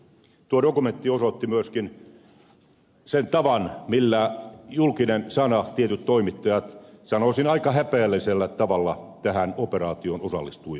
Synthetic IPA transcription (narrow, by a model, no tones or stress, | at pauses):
t̪uodokument̪ːiosot̪ːimyøskin | sent̪ɑʋɑnmilːæjulkinensɑnɑt̪iet̪yt̪toimit̪ːɑjɑt̪sɑnosinɑikɑhæpeːlːiselːæt̪ɑʋɑlːɑt̪æhænoperɑːt̪ionosɑ̰lːist̪ui